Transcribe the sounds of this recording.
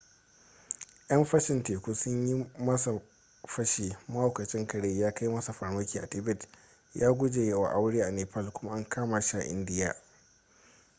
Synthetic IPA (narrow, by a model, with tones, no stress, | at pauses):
ʔjɐ˦mɸɐ˦ʃɪ˨nteː˨kʷuː˦sʊ˦ɲji˦mɐ˦sa˨ | ɸɐ˦ʃiː˨mɐ˦ho˨kɐ˨t͡ʃʼɪ˦ŋkɐ˨ɽeː˦jaː˦ka˦jmɐ˦sa˨ɸa˨rmɐ˦kʲiː˨ʔa̰˨tɪ˦bɪ˦˨t | jaː˦ɡʷʊ˦d͡ʒeː˨jeː˨wa̰˨ʔa˦wɽeː˦ʔa˨neː˨pɐ˦˨lkʷʊ˦ma˦ʔa˦ŋkʰaː˦ma˨ʃa˨ʔɪ̰˦ndɪ˦ja̰ː˨